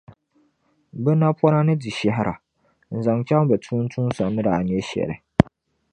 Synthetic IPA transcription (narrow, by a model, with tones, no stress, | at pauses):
bɛ˦na˦pɔ˦na˦nɨ˦di˨ʃɛ˦ɦɪ˦ɾʔa̰˨ | n̩˨za˨ŋt͡ʃa˦ŋ˦bɛ˨tʰuː˦n̩˦tʰu˦n˦sa˨nɨ˦daː˨n˦ɛ˦ʃɛ̰˨ɾɪ̰˨